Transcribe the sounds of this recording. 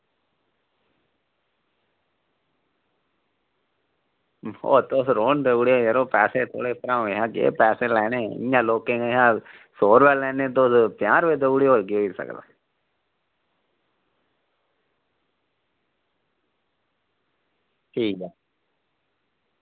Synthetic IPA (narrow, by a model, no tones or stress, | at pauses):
o̰ːt̪osɾoːnd̪eʊɽjoːjəɾoːpɛːseːt̪ʰo̰ːɽeːpɾãːũeɦãːkḛːpɛːseːlɛːneːɪ̰jãːloːkẽːeɦãː | soːɾʋɛlɛ̃ːnẽːt̪̬ospjaːɾʋeːd̪oʊɽeoːlɡioiːsə̰kd̪a̰ː | ʈʰiːkɛː